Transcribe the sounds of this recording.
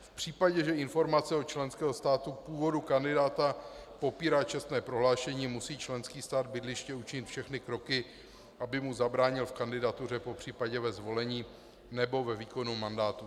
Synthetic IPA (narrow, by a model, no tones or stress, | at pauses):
fpr̝̥iːpaɟɛʒɛɪnfo̞ɾmat͡sɛot͡ʃlɛnskɛːɦost̪aːt̪upuːvo̞dukandɪdaːt̪apo̞piːɾaːt͡ʃɛst̪nɛːpɾo̞ɦlaːʃɛɲiːmusiːt͡ʃlɛnskiːst̪aːd̪bɪdlɪʃcɛut͡ʃɪɲɪt̪fʃɛxnɪkɾo̞kɪ | ʔabɪmuzabɾaːɲɪlfkandɪdat̪ur̝ɛpo̞pr̝̥iːpaɟɛvɛzvo̞lɛɲiː | nɛbo̞vɛviːko̞numandaːt̪u